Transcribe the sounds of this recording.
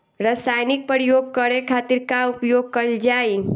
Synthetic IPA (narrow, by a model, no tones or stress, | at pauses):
ɾəsajnɪk̚pəɾjoɡ̚kəɾekʰat̪iɾkaupjoɡ̚kəld͡ʒaːi